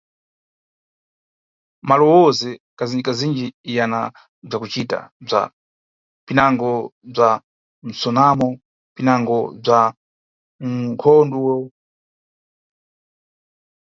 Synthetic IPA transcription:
malɔwɔzɛkazid͡ʒikazind͡ʒiːjana | b͡ʐakut͡ʃita̰b͡ʐa̰ | pinaŋɡɔb͡ʐa | n̩sɔnamɔ | pinaŋɡɔb͡ʐa | ŋkʰɔnduwɔ

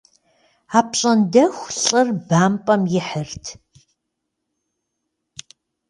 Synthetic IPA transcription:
aːpɕʼɐndɐxʷɬʼɨrbaːmpʼɐmjɪħərtʰ

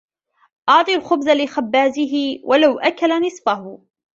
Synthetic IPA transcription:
ʔɑʕt̪ˤilxʊbzalɪxabːaːzɪɦɪwʔalawʔakalanɨsˤfahʊ

